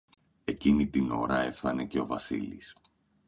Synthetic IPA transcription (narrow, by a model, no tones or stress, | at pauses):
e̞cinit̪ino̞ɾɐe̞fθɐne̞ce̞o̞vɐsḭlḭs